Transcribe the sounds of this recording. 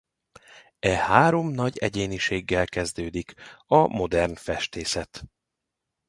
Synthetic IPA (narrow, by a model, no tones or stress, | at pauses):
ɛhaːɾo̞mnɒɟɛɟeːniʃeːɡːɛlkɛzd̪øːd̪ikɒmo̞d̪ɛrnfɛʃt̪eːsɛt̪